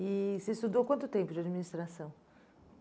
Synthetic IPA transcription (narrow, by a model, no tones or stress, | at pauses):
ɪsest̪ud̪okwɐ̃nt̪ʊt̪ẽpʊd͡ʒɪɐd͡ʒminist̪ɾasɐ̃w̃